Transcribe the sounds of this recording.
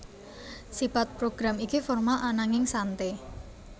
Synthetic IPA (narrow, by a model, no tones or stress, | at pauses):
sifat̪̚pɾoɡ̥ɾamikifɔrmalʔanaŋɪŋsant̪e